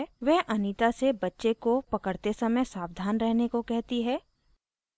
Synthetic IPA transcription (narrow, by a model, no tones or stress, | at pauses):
ʋɛɦʔɐniːt̪asebɐtːʃekopɐkəɽt̪esɐməjsaːbd̪ʱaːnɾɛɦnekokɛɦt̪iɦɛː